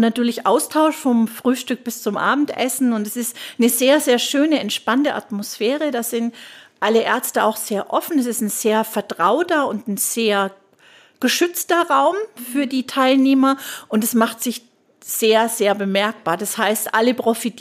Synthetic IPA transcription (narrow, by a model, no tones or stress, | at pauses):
natyːɐlɪçʔaʊstʰaʊʃfɔmfʁ̥yːʃtʏk̚b̥ɪst͡sʊmʔa̰ːbm̩tʔɛ̰sn̩ʊntdɛsɪstnəzeːɐzeːɐʃøːnəɛntʃpantəʔa̰tmosfɛːʁədaːz̥ɪntʔaləʔɛɐt͡stəaʊxz̥eːɐʔɔfn̩ɛsɪstn̩z̥eːɐfɛɐtʁ̥aʊtɐʊntn̩z̥eːɐ | ɡ̥əʃʏt͡stɐʁaʊmfyːɐdiːtʰaɪlneːmɐʔʊntd̥asmaχtz̥ɪç | z̥eːɐzeːɐbəmɛɐk̚b̥aːɐdashaɪstʔaləpʁ̥ofitʰ